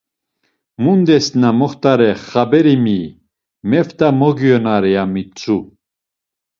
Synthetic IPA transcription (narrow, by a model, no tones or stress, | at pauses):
mund̪ɛsnamɔχt̪aɾɛχabɛɾimi | mɛft̪amɔɡjɔnaɾɛjamit͡sʰu